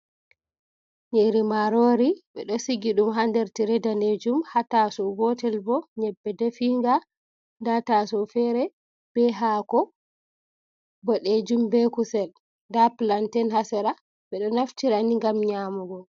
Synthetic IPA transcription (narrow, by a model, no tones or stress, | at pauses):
ɲeɾimaɾoɾiɓɛɗɔsiɡiɗumɦandɛɾtiɾɛdaned͡ʒumhatasɔɡɔtɛlbɔɲɛbːɛdɛfiŋɡa | ndatasɔfɛɾɛ | b̥ɛɦakɔ | bɔɗed͡ʒumbɛkusɛl | ndaplantɛnhasɛɾa | ɓɛɗɔnaftiɾaniŋɡamɲaːmuɡɔ